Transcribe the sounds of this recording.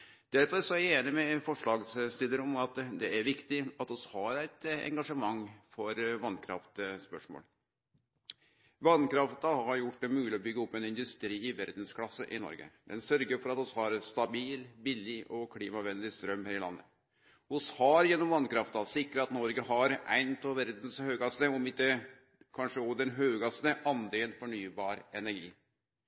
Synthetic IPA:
d̪̥ælfɔsɔeːnɪmɛfɔʂɭɑːɡsst̪ɪld̪əɾɔmɑt̪d̪ɛæɾʋɪkt̪ɪɑt̪ɔshɑɾæɪt̪ɛ̰ŋɡɑʂəmɑŋːfɔɾʋɑnkʰɾɑ̰ft̪spœʂmo̰ːl | ʋɑnkɾɑft̪ɑhɑɾjʊʈ̚ːd̪ɛmʉːlɪɔbʏɡːəɔpːɛnɪnd̪ʉst̪ɾiːɪʋæɾd̪n̩skʰlɑsːəʔɪ̰nɔ̰ɾɡə̰d̪̥ɛnsœɾɡəɾfɔɾɑt̪ʊshɑːɾst̪ɑbiːlbɪlːɪʔɔkʰliːmɑʋɛnd̪ɪst̪ɾœmhæːɾɪlɑ̰nːə̰ | ʊshɑɾjɛnːɔmʋɑnkɾɑft̪ɑsɪkɾəɾɑt̪nɔɾɡəhɑɾæ̰ɪnt̪ʰoʋæɾd̪n̩shøːɡɑsnəɔmɪkːə | kʰɑnʂəɔd̪ɛnɦøːɡɑsnəʔɑnd̪eːnfɔɳyːbɑːɾɛnæɾɡḭː

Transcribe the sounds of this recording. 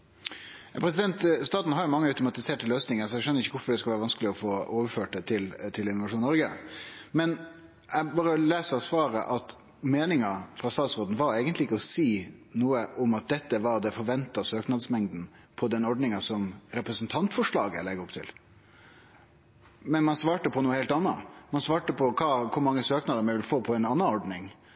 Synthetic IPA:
jɑpʰɾɛsɪd̪ɛnt̪st̪ɑːt̪n̩hɑɾjʊmɑŋːəœʉt̪ʊmɑt̪ɪseːʈəløːsnɪŋəsɔɛɡʂœnːəɾɪçːəʋʊɾfɔɖɛskɑʋæːɾəʋɑnskəlɪɔfoːoːʋəɾføːʈ̚d̪ɛt̪ʰɪlt̪ʰɪlɪnɔʋɑʂuːnnɔɾɡəmɛn | ɛbɑːɾəɔleːsəɾɑsʋɑːɾə̰ʔɑt̪ | meːnɪŋɑfɾɑst̪ɑːt̪sɾoːd̪n̩ʋɑɾeːɡənt̪lɪɪkːəɔsiːnuːəʔɔmɑt̪̚d̪ɛt̪ːəʋɑɾd̪ɛfɔɾʋɛnt̪ɑsøːknɑd̪smɛŋd̪n̩ | pʰɔd̪ɛnɔɖnɪŋɑsɔmɾɛpɾəsnt̪ʰɑnt̪fɔʂɭɑːɡə̰lɛɡəɾɔpt̪ʰɪ̰l | mɛnmɑnsʋɑːʈəpʰɔnuːəheɪlt̪ɑnːɑ̰mɑnsʋɑːʈəpʰɔkʰɑːkʰʊɾmɑŋːəsøːknɑd̪əmɛɪʋɪlfoːpʰɔɛɪnɑnːɑɔɖnɪŋ

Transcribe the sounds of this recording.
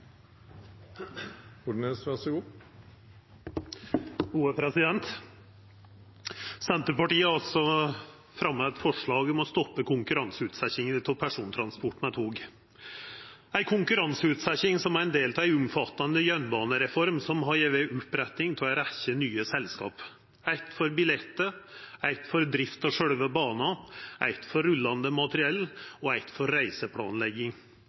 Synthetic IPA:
ʊneːsʋæsəɡuː | huːəpʰɾɛsɪd̪ɛnt̪ | sɛnt̪əɾpɑʈiːəɑlsɔ | fɾɑmːəɛt̪fɔʂɭɑːɡɔmɔst̪ɔpːəkʊŋkʉɾɑnsʉːt̪sæçɪŋənt̪ʰɛpʰæʂuːnt̪ʰɾɑnspɔʈːmɛt̪huːɡ | æɪkʰʊŋkʉɾɑnsəʉt̪sæçɪŋsɔmæɾɛnd̪eːlt̪ʰɑæɪʉmfɑt̪ːɑnd̪əjœnbɑːnəɾɛfɔɾmsɔmɦɑɾjeʋeʔʊpɾɛt̪nɪŋt̪ʰɪɛlɔɾæçənyːəsɛlskɑ̰ːp | æɪt̪fɔɾbɪlɛt̪ːəæɪt̪fɔɾd̪ɾɪft̪ɔʂœɽʋəbɑːnɑʔæ̰ɪt̪fɔɾʉlːɑnd̪əmɑt̪əɾɪɛlːɔæɪt̪fɔɾːæɪsəpʰɽɑ̰ːnlɛɡɪŋ

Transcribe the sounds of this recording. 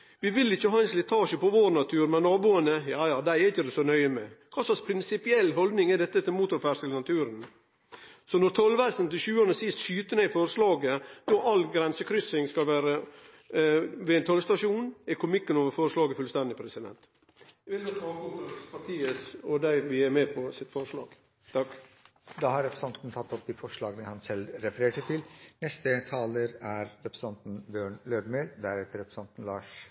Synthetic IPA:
ʋɪʋɪlːɪçːəɦɑːɛnslɪt̪ʰɑːʃəpɔʋoːɾnɑt̪ʰʉːɾmɛnːɑːbuːənəjɑːjɑːd̪æɪɛɾɪçːəd̪ʉsɔnœʏəmɛ̰kʰɑːsɑspʰɾɪnsɪpɪɛlːɦɔld̪nɪŋɛd̪ɛt̪ːət̪ɪlmuːt̪ʊɾfæʂəlnɑt̪ʰʉːɾən | sɔnɔɾt̪ʰɔlʋæsənt̪ɪlɕʉːɑnəsɪst̪ʃyːt̪ənɛɪfɔɾəslɑːɡəd̪oʔɑlɡɾɛnsəkʰɾʏsɪŋskɑlʋæːɾə | ʋɪɪnt̪ʰɔlst̪ɑʂuːnɪkʰʊmɪkːənoːʋəfɔːɾəʂlɑːɡəfʉlst̪ɛnd̪ɪpʰɾɛsɪd̪ɛ̰nt̪ | ʋɪlɡɔɾɑːkɔnt̪ɾɑpɑʈ̪ʰiːəsɔd̪æɪʋɪæɾmeːpʰɔsɪt̪fɔɾʂlɑ̰ːɡ̥ | t̪ʰɑk | d̪ɑːhɑɾɛpɾəsɑnt̪n̩t̪ʰɑt̪ːɔp̚d̪iːfɔʂɭɑːɡənəhɑnsɛlɾɛfəɾeːʈət̪ʰɪlnɛst̪ət̪ʰɑːləɾæɾɾɛpɾə̥sɑnt̪n̩bjøːɳløːd̪meːld̪æɾɛt̪əɾɛpɾəsɑnt̪n̩lɑːʂ

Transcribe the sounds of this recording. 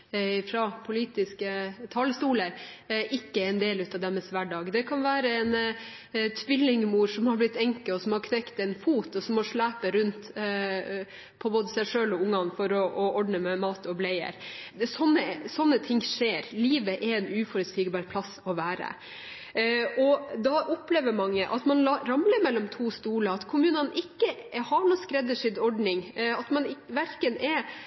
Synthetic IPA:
fɾɑpʰʊliːt̪ɪskət̪ʰɑləst̪uːləɾʔɪkːəɛnd̪eːlʉːt̪ɑʋd̪ɛmːəsʋæɖɑːɡd̪ɛkʰɑnʋæːɾəɛn | t̪ʰʋɪlːɪŋmuːɾʂɔmhɑɾblɪt̪ːɛŋkəɔsɔmhɑɾkʰnɛkt̪ɛɪnfuːt̪ɔsɔmːɔʂɭæːpəɾʉnt̪ | pʰɔboːd̪əsæɪʂøːlɔʊŋːɑnfɔɾɔʔɔɔɖnəmɛmɑːt̪ɔblɛɪə̰ɾsɔnːəsɔnːət̪ʰɪŋːʂeːɾliːʋəʔɛɛnʉːfɔɾət̪st̪iːɡbɑːɾpʰlɑsːɔʋæːɾə̰ | ʔɔd̪ɑʔʊpleːʋəɾmɑŋːəʔɑt̪mɑnɑɾɑmləɾmɛlːɔmt̪ʰuːst̪uːləɑt̪kʰʊmʉːnənʔɪkːəhɑɳuːskɾɛd̪əʂɪnɔɖnɪŋɑt̪mɑnɪʋæɾkənɛ

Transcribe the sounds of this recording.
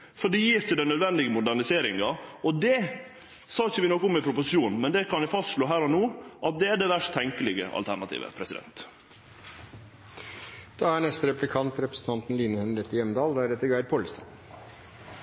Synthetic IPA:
fɔɖɛjiːɾçʊd̪ɛnœd̪ʋɛnd̪ɪɡəmʊd̪æɳɪseːɾɪŋɑɔd̪ɛ | sɑːɪçəʋɪnɔkːʊmɪpʰɾʊpʊsɪʃuːnmɛnd̪ɛkɑnjæfɑst̪ʂloːɦæːɾɔnoːʔɑt̪̚d̪ɛæɖɛʋæʂtt̪ʰɛŋkəlɪɡə̰ʔɑ̰lt̪ʰæɳɑt̪ʰḭːʋə̰pʰɾɛsɪd̪ɛ̰nt̪ | d̪̥ɑːæɳɛst̪əɾɛplɪkʰɑnt̪ɾɛpɾəsn̩t̪ɑnt̪n̩liːnəhɛnɾɛt̪ːɪjɛmd̪ɑːld̪æːɾɛt̪ːəɾɡæɪd̪̚pʰoləst̪ɑn

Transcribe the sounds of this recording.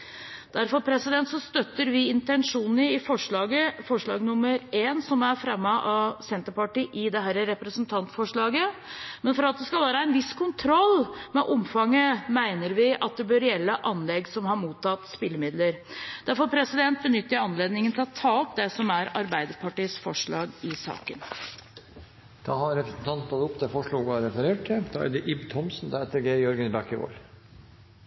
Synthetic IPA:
d̪̥æɾfɔɾpʰɾɛsɪd̪ɛnt̪sɔst̪œt̪ːəɾʋɪɪnt̪ɛnʂuːnn̩əɪfɔʂɭɑːɡəfɔʂɭɑ̰ːɡnʊmːəɾeːnsɔmæɾfɾɛmːəʔɑsɛnt̪əɾpɑʈiːʔɪd̪ɛɦæɾəɾɛpɾəsnt̪ʰɑnt̪fɔʂɭɑːɡəmɛnfɔɾɑt̪̚d̪ɛskɑlʋæːɾəɛnʋɪskʰʊnt̪ʰɾɔlːmɛʔʊmfɑŋːəmæɪnəɾʋɪʔɑt̪̚d̪ɛbøɾjɛlːəʔɑnlɛɡsɔmhɑɾmuːt̪ʰːɑt̪spɪlːəmɪd̪ləɾd̪̥æɾfɔɾpʰɾɛsɪd̪ɛnt̪̚bənʏt̪ːəɾɑnleːd̪nɪŋənt̪ʰɪlɔt̪ʰɑːɔpd̪ɛsɔmæɾɑɾbæɪd̪əɾpʰɑʈiːəsfɔʂɭɑːɡɪsɑ̰ːkən | d̪̥ɑːhɑɾɾɛpɾəsn̩t̪ʰɑnɑt̪ʊpd̪ɛfɔʂɭuːɡɾɛfəɾeːʈ̚ʈʰɪd̪ɑ̰ːæ̰ɖɛʔɪbt̪ʰɔmsn̩d̪ɑhɛt̪əɾɡeːjɔɾɡənɪbækɪʋo̰ːɾ

